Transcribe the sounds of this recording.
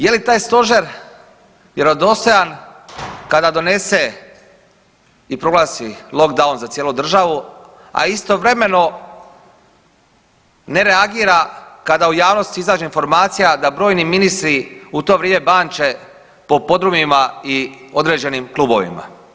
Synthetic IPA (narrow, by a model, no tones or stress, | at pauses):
je̞lit̪aːjst̪o̞ʒeɾ | jeɾod̪o̞st̪o̞jan | kad̪ad̪o̞ne̞se̞ | ipɾo̞ɡlaːsilˠo̞kd̪aunzat̪sjeːlud̪r̩ʒaʋu | a̰ist̪o̞ʋɾe̞me̞no̞ | ne̞ɾe̞aɡiːɾakad̪aujaːʋno̞st̪iizaːd͡ʒeinfo̞ɾmaːt̪sijad̪abɾo̞ːjniminist̪ɾiut̪oʋɾʲjeme̞baːnt͡ʃe̞ | po̞po̞d̪ɾumimaio̞d̪ɾe̞ːd͡ʒe̞nimklˠuːbo̞̰ʋḭma̰